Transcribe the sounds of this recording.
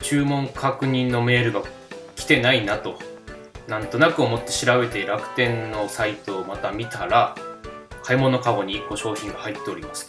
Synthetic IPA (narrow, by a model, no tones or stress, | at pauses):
t͡ɕɨːmõ̞ŋkʰakɯ̟ɲ̟ĩnːo̞me̞ːɾɯ̟ɡa | kʲi̥t̪e̞nainat̪o̞ | nãnt̪o̞nakɯ̟o̞mo̞t̪ːe̞ɕiɾabe̞t̪e̞ɾakɯ̟̥t̪ẽ̞nːo̞sait̪o̞ːmat̪amʲit̪aɾa | kʰaimo̞no̞kaɡo̞ɲ̟iːkːo̞ɕo̞ːçĩɰ̃ɡahait̪ːe̞o̞ɾʲimasɨ̥